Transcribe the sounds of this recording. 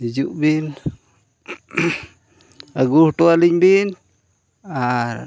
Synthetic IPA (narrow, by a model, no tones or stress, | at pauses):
id͡ʒuʔbin | aɡuhʈoaliɲbin | aɾ